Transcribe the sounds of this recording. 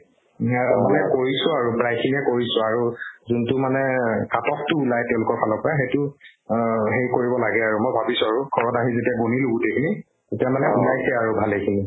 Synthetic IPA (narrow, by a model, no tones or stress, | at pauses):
aamanɛkoɹisʊaɹupɹajkʰiniɛkoɹisʊ̃aɹuzuntʊmanɛkatɔk̚tʊːlajtɛʊ̃lʊkɔɹpʰalɔpɔaxejtʊ | ɦejkoɹibɔlaɡɛaɹumojbʱabisʊ̃aɹuɡʰʱɔɹɔtaɦizetiaɡoniluɡutekʰini | tetiamanɛulajsɛaɹubʱalejkʰini